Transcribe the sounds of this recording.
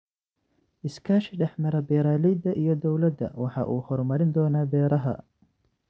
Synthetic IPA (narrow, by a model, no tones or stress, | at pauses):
ʔɪskʰaːʃɪɖɛħmɐɾɐbɛːɾaːlɛjd̪ɐʔijɞd̪ɔwlɐd̪ɐ̰wɑħɑ̰ʔuːhɔrmɐɾɪnd̪ɔːnaːbɛːɾɐɦɐ̰